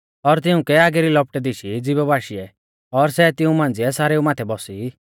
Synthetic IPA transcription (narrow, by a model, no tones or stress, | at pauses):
ɔɾt̪̬ɪũkɛaːɡɛɾilɔp̚ʈɛd̪iʃid͡zɪbɛbaːʃiɛ | ɔɾsɛt̪ɪũmãːnd͡ziɛsaːɾeumaːt̪ʰɛbɔsi